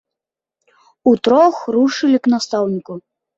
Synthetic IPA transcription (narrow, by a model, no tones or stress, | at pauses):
ut̪ɾɔxruʂɨlʲiknast̪awnʲiku